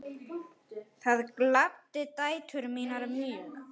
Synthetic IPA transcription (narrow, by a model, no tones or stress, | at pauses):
θaðklap̚t̪ɪt̪aːjt̪ʰʏɾmiːnaɾmʏː